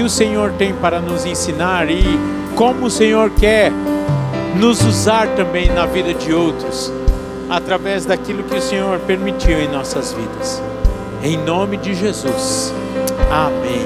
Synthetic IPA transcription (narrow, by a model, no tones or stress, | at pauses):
ɪʊsẽɲoɾt̪ẽj̃paɾɐnʊzẽsinaɾɪ | kõmʊʊsẽɲoɾkɛɾ | nʊzuzaɾt̪ɐ̃mbẽj̃nɐvid̪ɐd͡ʒɪowt̪ɾʊs | at̪ɾavɛzd̪akilʊkɪʊsẽɲoɾpeɾmit͡ʃiwẽj̃nɔsɐzvḭd̪ɐs | ẽj̃nõmɪd͡ʒɪʒezus | amẽj̃